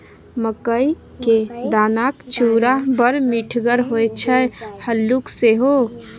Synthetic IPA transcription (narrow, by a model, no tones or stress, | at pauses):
məkəj | ked̪anakt͡ʃuɾabəɾmiʈʰɡəɾɦojt͡ʃʰɛhəlːukseɦo